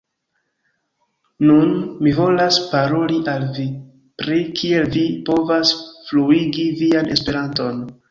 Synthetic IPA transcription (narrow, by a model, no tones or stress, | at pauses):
nunmivo̞laspaɾo̞liʔalvi | pɾikʰie̞lvipo̞vasfluiɡiviane̞̰spe̞ɾanto̞n